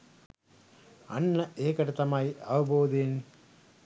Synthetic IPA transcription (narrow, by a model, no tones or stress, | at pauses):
ɐ̰ɳːɐʔeːkːɐɽɯt̪ːɐmaːjɐʋɯboːd̪eːn